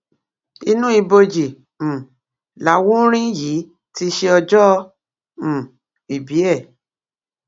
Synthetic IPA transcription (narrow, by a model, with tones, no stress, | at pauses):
i˧nũ˦i˧bo˧d͡ʒi˨ | m̩̃˨ | la˨˦wũ˦ɾ̃ĩ˦jiː˨˦ | ti˧ʃe˧ɔ˧d͡ʒɔ̃˦˧˨ | i˨bi˨˦ɛ˦˨